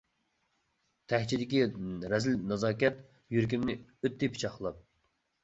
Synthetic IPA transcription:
t̪ʰɛht͡ʃʰid̪ɪkʲiɾɛzɪlnɑzɑːkʲɛt̪ | jyɾk̬ʲimnɪøt̪ːɪpʰi̥t͡ʃʰɑχlˠɑp̚

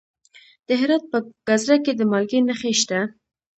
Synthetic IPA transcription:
d̪̥əɦɪɾɑt̪̚pəɡ̥azɾaked̪əmɑlɡenaxeʃt̪a

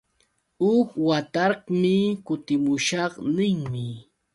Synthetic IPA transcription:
ʊkwat̪ɑɾqmɪkʊt̪ɪmʊʃɑqnɪŋmɪ

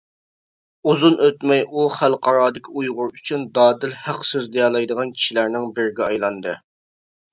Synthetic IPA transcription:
uzunʔøt̪mɛjʔuχælˠqʰɑɾɑːd̪ɪkʲʰiujʁʊɾyt͡ʃʰynd̪ɑːd̪ɪlhæqsøzd̪ejɑːlˠɑjd̪əʁɑnkʲʰi̥ʃilæɾnɪŋbɪɾɪɡʲɛɑjlˠɑnd̪ɨ

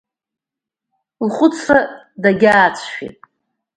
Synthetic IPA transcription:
lχʷʊt͡sʰra | daɡʲaːt͡sʷʰʃḭtʼ

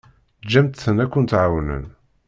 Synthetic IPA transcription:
d͡ʒːæmt̪θənækʷːʊnt̪ʕawnə̰n

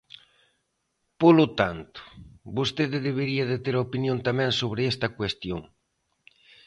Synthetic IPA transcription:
polot̪ant̪ʊ̥bost̪eðɪðeβ̞eɾiɐðet̪eɾopinjõnt̪amɛ̃ŋsoβ̞ɾɪest̪ɐkwest̪joŋ

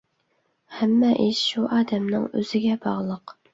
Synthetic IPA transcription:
hɛmːɛʔiʃʃuʔɑːd̪ɛmnɨŋø̰z̥ɪɡʲɛbɑʁlˠəq

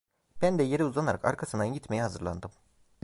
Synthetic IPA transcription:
b̥ænd̪ɛje̞ɾiuzˠanaɾa̰ka̰ɾkʰasɯnanɟit̪me̞jiɦazɯɾlˠa̰nd̪ɯm

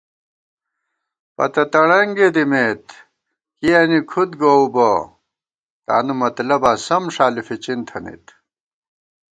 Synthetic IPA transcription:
pɐ̰t̪ɐt̪ɐɽɐŋɡed̪imet̪ | kijanikʰud̪ɡoubo | t̪a̰ːnumɐt̪lɐbaːsɐmʂaːlifit͡ɕint̪ʰɐnḭt̪

